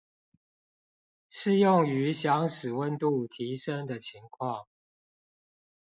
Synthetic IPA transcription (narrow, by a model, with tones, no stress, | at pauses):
ʂɻ̩˥˧jʊ˥˨ŋy˧˦ɕjɑ˧˥ŋʂɻ̩˨˩wə˥˨nt̪u˥˨t̪ʰi˨˦ʂə˦ŋd̪ə˨t͡ɕʰi˨˦ŋkʰwɑ˥˨ŋ